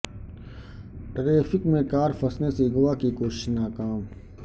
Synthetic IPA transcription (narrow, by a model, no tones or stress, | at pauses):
ʈɾeːfɪkmẽkaːɾfʰəsnesiɡʊʋaːkikoːʃɪ̥ʃnaːkaːm